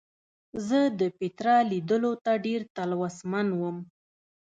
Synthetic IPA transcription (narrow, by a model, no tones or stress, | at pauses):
zəd̪əpɪt̪ɾɑlid̪əlot̪aɖeɾt̪alwasmanwəm